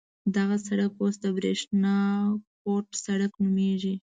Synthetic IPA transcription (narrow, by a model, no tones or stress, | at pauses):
d̪aɣasaɽakwost̪abɾeʂnɑkoʈsaɽaknumeʒi